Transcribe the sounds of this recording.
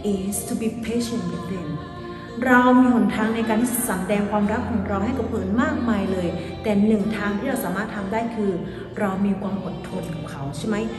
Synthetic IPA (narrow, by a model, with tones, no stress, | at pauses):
ʔiː˧˩st̪ʰu˧bi˧pʰeː˦˥ɕe˨˩nwi˧˩t̪le˧˩n | ɾa˧wmiː˧mu˨˩˦nt̪ʰaː˧ŋna˧jkaː˧nsa˩˦mdɛː˧ŋkʰwaː˧mɾa˦˥kʰːɔː˨˩˦ŋɾa˧wha˥˩jkɔ˨˩pʰɤː˨˩˦nmaː˥˩k̚maː˧jlɤː˧jt̪ɛː˨˩nɯ˨˩ŋt̪ʰaː˧ŋt̪ʰiː˥˩ɾa˧wsaː˨˦maː˥˩t̪ʰːa˧mdaː˥˩jkʰɯː˧ | ɾa˧wmiː˧kʰwaː˧mʔo˨˩t̪ʰːo˧nkʰɔː˨˩˦kʰa˦˥wt͡ɕʰa˥˩jma˦˥j